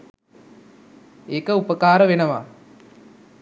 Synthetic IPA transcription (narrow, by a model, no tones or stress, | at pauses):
ekəupɐkaːɾɐʋenɐʋa̰ː